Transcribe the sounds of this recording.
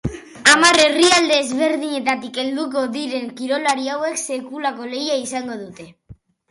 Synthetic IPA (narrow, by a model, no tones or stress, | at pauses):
amare̞riald̪e̞ːzβe̞ɾðiɲe̞t̪at̪ike̞ld̪uko̞ðiɾe̞ŋkiɾo̞laɾiawe̞kse̞kulako̞le̞jaisaŋɡo̞ðut̪e̞